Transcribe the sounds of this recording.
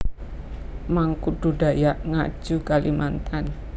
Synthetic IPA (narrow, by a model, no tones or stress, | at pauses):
maŋkuɖ̥uɖa̤jaʔŋa̰̥d͡ʒ̥ukalimant̪an